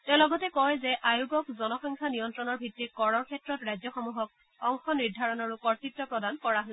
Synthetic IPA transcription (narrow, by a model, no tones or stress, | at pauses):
tɛ̃ʊ̃lɔɡɔtɛkɔjzɛʔajuɡɔkzɔnɔxɔŋkʰanijɔntɹɔnɔɹbʱitːikɔɹɔɹkʰɛtɹɔtɹajzɔxɔmuɦɔk̚ | ɔŋxɔniɹdʱaɹɔnaɹukɔɹtitːɔpɹɔdankɔɹaɦol